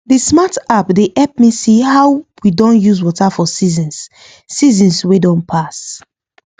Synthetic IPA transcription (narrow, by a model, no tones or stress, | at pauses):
dismatapdeʔɛp̚misihawwidɔ̃njuzwɔtafɔsizĩnsː | izĩnswedɔ̃npʰas